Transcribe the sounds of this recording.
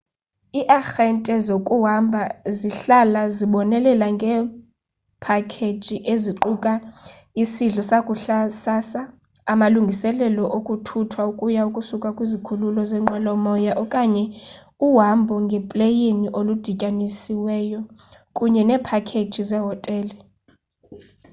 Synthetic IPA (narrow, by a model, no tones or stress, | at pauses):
iʔaxɛntʼɛzokʼuɦambʱaziɬalaziɓɔnɛlɛlaŋɡʱɛ | pʰakʰe̥d͡ʒʒ̥ʱʼiʔeziǃukʼa | isiɮɔsakʼuɬasasaː | maluŋɡʱisɛlɛlɔʔokʼutʰutʰwaukʼujaukʼusukʼakʼwizikʰululɔzɛːŋ͡ǃʱwalɔmɔjaʔɔkʼaɲɛ | uɦambʱɔŋɡʱɛpʼlejeniʔolud̥ʱicʼanisiwɛːjɔkʼuɲɛnɛːpʰakʰet͡ʃʰʼizɛɦɔtʼɛːli